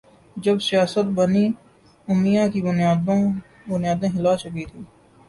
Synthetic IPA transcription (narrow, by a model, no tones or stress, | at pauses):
d͡ʒəbsijaːsət̪̚bəniː | ʊmijãːkibʊnjːd̪ | bʊnjaːd̪ẽːɦɪlaːt͡ʃʊk̬it̪ʰiː